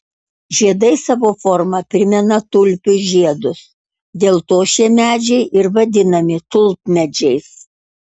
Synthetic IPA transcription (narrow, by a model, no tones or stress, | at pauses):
ʒʲiɛd̪ɐɪsɑːʋoːfɔɾmɐpʲɾʲɪmʲɛnɐt̪ʊlʲpʲʊʒʲiɛd̪ʊs | d̪ʲeːlˠt̪oːʃʲiɛmʲæːd͡ʒʲɛɪʔɪɾʋɐd̪ʲɪnɐmʲɪt̪ʊlˠt̪̚mʲɛd͡ʒʲɛɪs